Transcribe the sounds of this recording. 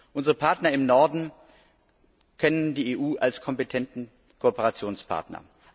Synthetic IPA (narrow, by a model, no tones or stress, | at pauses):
ʔʊnzəʁəpʰaɐtnɐɪmnɔɐdn̩ | kʰɛnəndiːeːʔuːʔalskʰɔmpetʰɛntn̩ | kʰoopəʁat͡sjoːnspʰa̰ɐtnɐ̰